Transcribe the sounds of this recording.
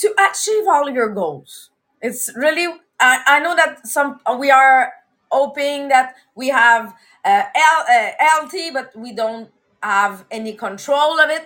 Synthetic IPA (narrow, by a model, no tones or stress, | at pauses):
tʰɨʔət͡ʃivɔlˠvjə˞ɡoʊlˠz̥ | ɨtsɹɪlˠi | aɪʔaɪnoʊðɨt̚sʌ̃mwiə˞ | hoʊpɪ̃ŋðɨt̚ | wiəv | ʌɛlˠʌɛlˠtʰibʌt̚widõʊ̃nt̚ | həvɛnikʰə̃ntʰɹ̥oʊlˠʌvɪt̚